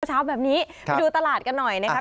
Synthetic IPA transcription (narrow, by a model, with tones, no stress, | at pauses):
t͡ɕʰaː˦˥wbɛː˨˩p̚niː˦˥ | ma˧duː˧t̪a˧laː˨˩t̪̚ka˧nːɔ˨˩jna˦˥a˦˥